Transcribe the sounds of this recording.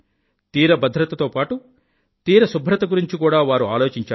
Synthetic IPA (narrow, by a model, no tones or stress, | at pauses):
t̪iːɾɐbɐd̪ʱɾɐt̪ɐt̪o̞ːpaːʈu | t̪iːɾɐsubʱɾɐt̪ɐɡuɾiɲt͡ʃikuːɽaːʋaːɾuaːlo̞ːt͡ʃiɲt͡ʃaː